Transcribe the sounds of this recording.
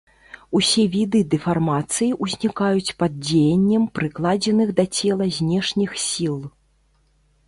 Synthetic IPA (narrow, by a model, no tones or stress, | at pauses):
usʲɛvʲid̪ɨd̪ɛfarmat̪sɨjiʔuzʲnʲikajut͡sʲpad̪̚d͡zʲejɐnʲːɐmpɾɨklˠad͡zʲɛnɨɣd̪ɐt͡sʲɛlˠɐzʲnʲɛʂnʲixsʲilˠ